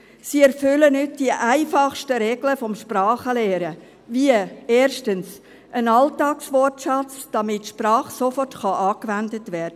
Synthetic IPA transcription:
siːɛɾfʏlənʏt̚d̥iəʔaɪfɑχʃtəɾɛɡ̥ləfɔmʃprɑːχəlɛːɾə | viəeːɾʃtəns | ʔənɑltɑːksʋɔrtʃɑt͡sd̥ɑmɪtːʃprɑːχsofɔrtχɑʔɑːkʋændətvɛːɾd̥ə

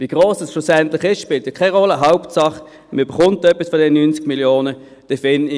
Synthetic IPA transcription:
viɡ̥ʁoːsɛsʃʊsɛntlɪχɪsʃpɪltɪkʰaɪʁɔləɦaʊptsɑχə | məyb̥əχʊntːœpːisfɔdɛnənynt͡sɪ̥ɡ̥miljoːnə | d̥ɛfɪn

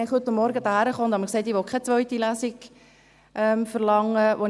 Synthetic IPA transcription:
ɛχhɵt̪əmːɔɾɡəd̪ɑhæɾəχoːʊnt̪hɑməkseɪtiʋokʰɛt͡sʋœʏtilæsiɡ | ʔɛmfəɾlɑŋːəʋo

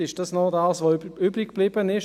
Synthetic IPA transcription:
ɪʃd̥ɑsnɔdɑːsʋoyːbʁɪkb̥liːbənɪʃ

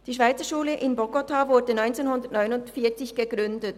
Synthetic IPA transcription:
d̥iːʃvaɪt͡səʃuːləʔɪnbɔɡotʰavʊɐdənɔʏnt͡seːnhʊndəɐtnɔʏnʊntfiːɐt͡sɪçɡ̥əɡ̥ʁʏndət

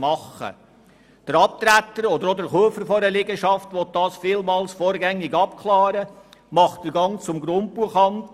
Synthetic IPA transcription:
mɑχə̰ | d̥əɾɑp̚t̪ɾætːəɾɔd̪əɾɔdəɾχuəfəɾfɔɾəlɪɡəʃɑftʋɔt̚dɑːsfɪːlmɑːlsfoːɾɡæŋːɪɡɑp̚kʰlɑːɾəmɑχd̥əɾɡɑŋt͡sʊmɡɾʊnt̚b̥uəχɑnt

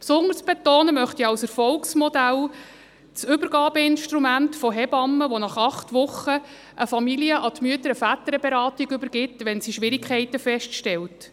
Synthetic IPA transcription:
psʊnd̪əɾsb̥etoːnəmœχtiɑwsəɾfɔlksmɔdæl | t͡sʏbəɾɡɑːbəɪnʃtɾumæntfɔɦɛbɑmːəʋonɑχɑχtʋʊχə | ʔəfɑmiliəʔɑt̪myətəɾəfæt̪əɾəbɛɾɑːtiɡʏbəɾɡ̥ɪtʋɛnsiʃʋɪɾɪkʰχɛɪtəfɛʃtʃtɛlt

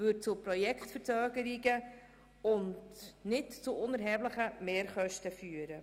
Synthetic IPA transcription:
vʏd̚t͡sʊpɾɔjɛkχtfəɾt͡søːɡəɾiɡə | ʊndnɪtt͡sʊʔʊnəɾɦɛːbləχəmeːɾχœʃtəfyːəɾə

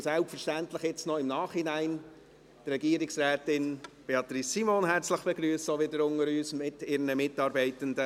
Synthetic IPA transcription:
sælpfəʃtæntləχjɪt͡snɔɪmnɑːχhinæɪn | trɛɡiəɾɪksɾɛːtɪnb̥eɑt̪ɾisimonɦɛɾt͡sləχb̥eɡɾyːsoʋɪdəɾʊŋəɾyːsmɪtɪɾnəmɪtɑːɾbɛɪtəndə

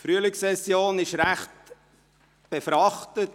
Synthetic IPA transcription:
fɾyəlɪksɛsjoːnɪʃɾæχt | b̥efɾɑχtət

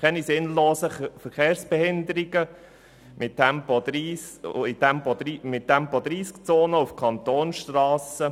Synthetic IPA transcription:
kʰɛnisɪnloːsəfəɾkeːɾsb̥ɛhɪnd̪əɾiɡə | mʔɪtːɛmpɔd̪ɾiːsɪt̪ʰɛmpɔd̪ɾiːmɪtʰːɛmpɔd̪ɾiːskt͡soːnəufkʰɑnt̪oːnsʃtrɑːsə

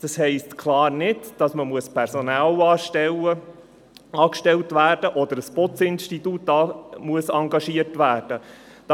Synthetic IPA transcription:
d̥ɑshɛɪstkʰlɑːɾnɪdd̥ɑsməmuəspʰɛɾsonæːlɑːʃtɛlə | ɑːkʃtɛltʋæːɾd̥əʔɔd̥̪əɾəspɔt͡sɪnʃtituːtɑmuəsɑŋɡɑʃiərtʋæːrd̥ə | d̥

